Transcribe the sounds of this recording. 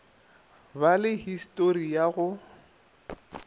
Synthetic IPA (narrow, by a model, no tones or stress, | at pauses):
balɪhistʼoɾijaɣʊ